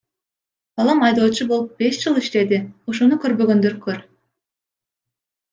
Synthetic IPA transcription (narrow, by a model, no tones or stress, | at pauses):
b̥ɑlˠɑmɑjd̪oːt͡ʃʰubo̞lˠup̚be̞ʃd͡ʒɯlˠiʃt̪e̞d̪ɪoʃo̞nukø̞ɾbø̞ɡø̞nd̪øɾkʰøɾ